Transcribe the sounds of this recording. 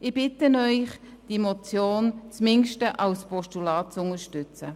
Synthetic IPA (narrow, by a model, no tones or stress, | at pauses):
ɪb̥ɪtənœʏχ | d̥imɔt͡sjoːnt͡smɪŋʃtəʔɑwspɔʃtulɑːt̚t͡sʊŋəʃtʏt͡sə